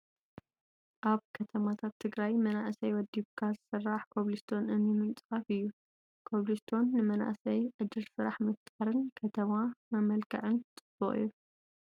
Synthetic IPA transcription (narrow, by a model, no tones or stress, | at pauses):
ʔaβkʰɐt̪ʰɐmat̪ʰat̪ʰːɨɡɾajmɐnaʔsɐjwɔd̪iβkʰazɨsɨrːaħkʰoβlist̪ʰo̞nɨnjimɨnt͡sʼɐfɨjːu | kʰoβlist̪ʰo̞nːɨmɐna̰ʔsɐjʕɨd̪ːɨlsɨɾaħmɨft̪ʼaɾɨnkʰɐt̪ʰɐmamɐmɐlkʰɐʕɨnt͡sʼɨb̥oχʼɨ̰jːu